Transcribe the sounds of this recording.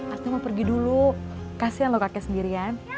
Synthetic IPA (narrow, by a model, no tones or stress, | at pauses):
art̪imapərɡidulukasijanlokakɛsəndiɾian